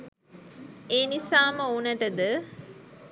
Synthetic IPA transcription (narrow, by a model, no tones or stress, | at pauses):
eːnisaːməunəʈəd̪ə